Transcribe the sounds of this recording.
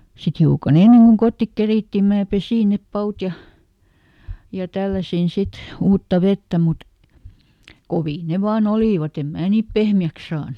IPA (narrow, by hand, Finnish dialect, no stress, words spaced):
sit hiukɑn enːeŋ kuŋ kotːik keriˑtːiˑ mæː pesiˑ nep pɑut jɑ jɑ tælːæsin sit uːtːɑ ʋetːæ mut koʋiː ne ʋɑːn oliˑʋɑt em mæː niːp pehmiæks sɑːnuk